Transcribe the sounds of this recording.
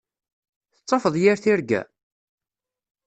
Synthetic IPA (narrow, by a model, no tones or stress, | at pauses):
θət͡sˤːɑfəðˤjɪɾθɪɾɡæ̰